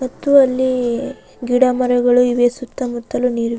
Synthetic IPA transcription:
mɐt̪ːuɐlːi | ɡiɽɐmɐɾɐɡɐɭuiʋesut̪ːɐmut̪ːɐluniːɾʋ

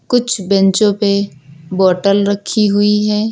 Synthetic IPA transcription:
kʊt͡ʃʰbɛ̃nt͡ʃõpebɔːʈəlɾɐkʰːiɦʊiɦɛː

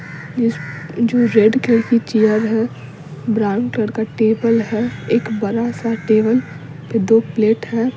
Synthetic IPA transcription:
ɪd͡ʒoːɾeɖkekit͡ʃijəɾɦɛ̃ | bɾaːʊ̃ɳkləɽkaʈeːbəlɦɛeːkbɐɾasaʈeːbəl | pɪd̪oːpleːʈɦɛː

